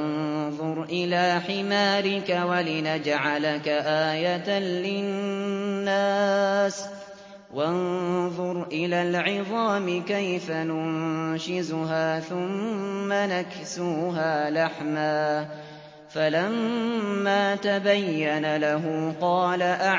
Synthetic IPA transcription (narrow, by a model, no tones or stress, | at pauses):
ðˤʊɾˤʔɪlaːħɪmaːɾɪkawalɪnad͡ʒʕalakaʔaːjat̪anlɪnnːaːs | wɑnðˤʊɾˤʔɪlaːlʕɪðˤɑːmɪkajfanʊnʃɪzʊɦaːθʊmːanak | suːɦaːlaħmaː | falamː | aːt̪abajːanalaɦʊqɑːlaʔa